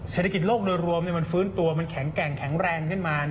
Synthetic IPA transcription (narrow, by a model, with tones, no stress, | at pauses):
sseː˧˩t̪ʰa˧ki˨˩t̪̚loː˥˩k̚dɤː˧jɾu˧əmni˥˩ɐma˧nfɯː˦˥nt̪u˧ɐma˧nkʰɛ˩˦ŋkɛ˨˩ŋkʰɛ˩˦ŋɾɛː˧ŋkʰɯ˥˩nmaː˧n˩